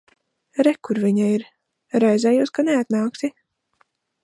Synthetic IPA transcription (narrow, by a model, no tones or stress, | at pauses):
ɾɛkːuɾviɲaiɾ | ɾajzɛjuːskaneat̪naːksi